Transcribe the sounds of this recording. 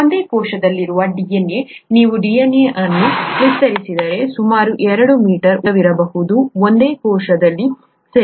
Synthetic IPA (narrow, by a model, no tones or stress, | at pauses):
ond̪e̞ːkɔːʃɐd̪ɐlːiɾuʋɐɖijɐnjeniːʋuɖijɐnjeʔɐnːuʋist̪ɐɾisid̪ɐɾe̞sumaːɾuʔɛɾɐɽumiːʈɐɾuʋiɾɐbɐɦud̪uond̪e̞ːkɔːʂɐd̪ɐlːi | sɐ